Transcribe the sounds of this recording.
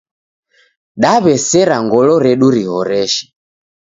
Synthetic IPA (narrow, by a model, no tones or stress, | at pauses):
ɗaβɛsɛɾaŋɡɔlɔɾɛɗuɾihɔɾɛʃi̥